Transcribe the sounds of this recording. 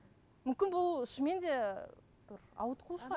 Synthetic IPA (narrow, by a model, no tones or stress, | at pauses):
mʏmkʲɪnbʊlˠʏʃme̞nd̪e̞ | b̥ɪɾɑ̰wət̪qʰuʃqɑ